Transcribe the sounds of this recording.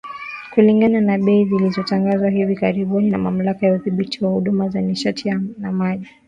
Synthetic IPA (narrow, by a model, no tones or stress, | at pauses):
kuliŋɡananaɓɛizilizɔtaŋɡazwaɦivikaɾiɓuninamam̩lakajauðiɓitiwahuɗumazaniʃatʰijanamaʄi